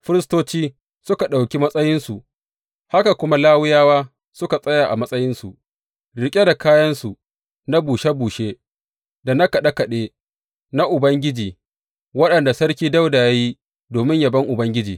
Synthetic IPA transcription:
ɸɪ˦ɾɪ˦stoː˦t͡ʃiː˦ | sʊ˦ka˨ɗa˨wkʲi˦mɐ˦sʼɐ˦jɪ˦nsu˨ʔ | ha˦ka˨kʷʊ˦ma˦laː˦wɪ˦jaː˦waː˦ | sʊ˦ka˨sʼɐ˦jaː˨ʔa̰˨mɐ˦sʼɐ˦jɪ˦nsu˨ | ɽɪ˨kʲʼe˦da˨kaː˦jɐ˦nsu˨ | na˦buː˨ʃe˦buː˨ʃeː˦ | da˨na˦kɐ˨ɗa˦kɐ˨ɗeː˦ | na˦ʔʊ˨bɐ˦ŋɡʲɪ˦d͡ʒiː˨ | wɐ˦ɗɐ˨nda˨sɐ˦ɽkʲiː˦da˦wda˨ja˦ji˦ | doː˨mɪ˦ɲja˨bɐ˦ŋʔʊ˨bɐ˦ŋɡʲɪ˦d͡ʒiː˨

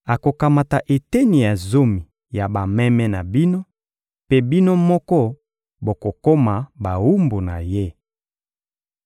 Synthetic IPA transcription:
a˨ko˨ka˨ma˨ta˨ʔe˨te˦ni˨ja˨zo˦mi˨ | ja˨ba˨mɛ˦mɛ˦na˨bi˦no˦ | pe˦bi˦no˦mɔ˦kɔ˦ | bo˨ko˨ko˦ma˨ba˨wu˦mbo˨na̰˨je˦

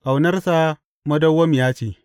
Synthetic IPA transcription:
ʔa˨wnɐ˦rsa˦ | mɐ˦dɐ˦wːɐ˦m˨jaː˦t͡ʃeː˨

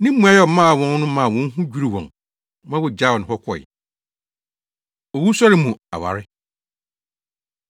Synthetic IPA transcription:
nɪ̃˦m̩˦mũ˨˦a˨jɛ˦˨mã˦a˨wɔ̃˨˦n˦nʊ̃˦mã˨wɔ̃˦n˦ɦũ˦d͡ʑᶣu˦ɾi˨wɔ̰̃˨ŋ | mã˦wʊ˨d͡ʑa˦˨wɔ˨nɪ̃˨hɔ˦kʷʰɔ˨ɪ̰˨ | ɔ˨wu˦sɔ˦ɾɪ˦mũ˨a˨wa̰˨ɾɪ˦

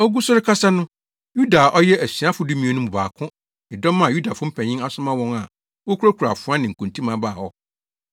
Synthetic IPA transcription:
ɔ˦ɡu˦sʊ˦ɾɪ˦kʰa˦sa˦nʊ̃˦ | ju˦da˨ʔɔ˦jɛ˦ʔæ˨si˨a˦fʊ˨du˦mĩ˨˦o˨nʊ̃˦mũ˨ba̰ː˨kʰʊ̃˦ | ɪ˨dɔ̃˦mːã˨ju˦da˨fʊ̃˦m̩˦pʰɛ̃˨ɲɪ̃˦a˨sʊ˦mã˦wɔ̃˦ŋa˨ | wɔ˦kʰu˦ɾa˦kʰu˨ɾa˨fʊ˨˦ã˦nɪ̃˨ŋ̩˨kʰũ˨n˨tʰĩ˦mã˨˦ba˦˨hɔ˦

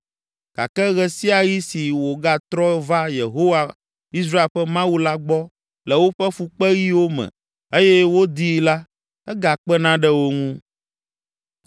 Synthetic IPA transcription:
ka̰˨kɛ˦ɣɛ˨si˦a˨ji˦si˨wo˨ɡa˦t̪ɾɔ˦va˦je˨ɦo˦wa˨ | i˦s̬ɾa˦e˨lɸɛ˦mã˦wu˦la˦ɡ͡bɔ˦ | lɛ˨wo˦ɸɛ˦fu˨k͡pɛ˦ji˦wo˦mɛ̰̃˨ | e˦jɛ˦wo˦d̪i˦la˦ | ɛ˦ɡa˨k͡pɛ˦nã˦ɖɛ˦wo˦ŋũ˦

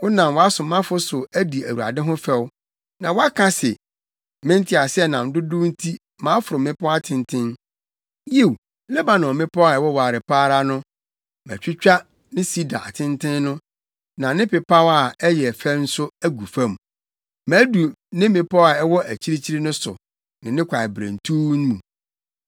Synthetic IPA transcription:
kʊ˦nã˨mwɔ˨a˦sʊ˨mã˦fʊ˦sʊ˨æ˦di˨æ˨wu˨a̰˨dɪ̃˦ɦʊ̃˦fɛ˦w | nã˨wɔ˦a˦kʰã˦sɪ˨ | mɪ̃˦n̩˦tʰɪ˦a˨sɛ˦nã˨n̩˨˦dʊ˦dʊ˦n̩˦tʰi˦ | mã˨˦fʊ˨ɾʊ˨mɪ̃˦pʰʊ˦a˦tʰɪ̃˨ntʰɪ̃˦n | je˦˨w | lɛ˦ba˨nɔ̃˨mɪ̃˦pʰɔ˦a˨ɛ˨wɔ˦waː˨ɾɪ˨pʰaː˦ɾa˦nʊ̃˦ | m˨æ̰˨t͡ɕᶣɪ˦t͡ɕᶣa˦ | nɪ̃˦si˦da̰˨a˨tʰɪ̃˦ntʰɪ̃˦nːʊ̃˦ | nã˨˦nɪ̃˦pɪ˨pʰa˦wa˦˨ɛ˦jɛ˨fæ˦n̩˦sʊ˦æ˦ɡu˨fã˦˨m˨ | mæ̃˨˦du˨nɪ̃˦mɪ̃˨pɔ˦a˨ɛ˦wɔ˦ʔæ˨t͡ɕʰi˦ɾe˦t͡ɕʰi˦ɾi˦nʊ̃˦sʊ̰˨ | nɪ̃˨nɪ̃˦kʷʰa˨ɪ˨bɾæ̰̃˨n̩˨tʰuː˦ñ˦mũ˨

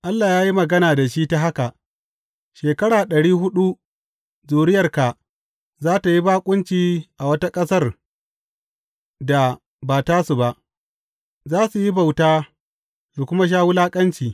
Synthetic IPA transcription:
ʔa˦lːaː˨jaː˦ji˦mɐ˨ɡɐ˦naː˨da˨ʃiː˦ta˦ɦa˦ka˨ʔ | ʃeː˨kɐ˦ɽaː˨ɗɐ˨ɽiː˦ɦʊ˦ɗu˦ | zuː˨ɽɪ˦jɐ˨rka˨ | zaː˦ta˨ji˦baː˦kʷʼʊ˦nt͡ʃiː˦ʔa˨wɐ˦ta˦kʼɐ˦sɐ˦r | da˨ | baː˨taː˦su˨ba˨ʔ | zaː˦su˨ji˦ba˨wtaː˦ | su˨kʷʊ˦ma˦ʃ̬aː˦wu˦laː˦kʼɐ˦nt͡ʃiː˨

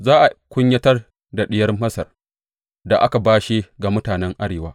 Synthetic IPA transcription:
zaː˦ʔa˨kʷʊ˦ɲjɐ˦tɐ˦r | da˨ɗɪ˦jɐ˦rmɐ˦sɐ˨r | da˨ʔa˦ka˨baː˦ʃi˦ɡa˨mʊ˦taː˨nɛ˦ŋʔa˦ɽeː˨waː˦

